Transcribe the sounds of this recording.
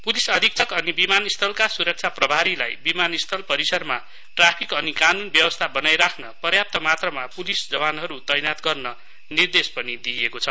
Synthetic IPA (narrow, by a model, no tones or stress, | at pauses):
pulisʌd̪ʱik̚t͡sʰʌkʌnibimanist̪ʰʌlkasuɾʌk̚t͡sʰaprʌbʱaɾila̰jbimanist̪ʰʌlpʌɾisʌɾma | ʈrapʰikʌnikanunbjʌbʌst̪ʰabʌnajɾakʰnʌpʌrjap̚t̪ʌmat̪rʌmapulisd͡zʌbanɦʌɾut̪ʌjnat̪ɡʌrnʌ | nird̪espʌnid̪iekot͡sʰʌ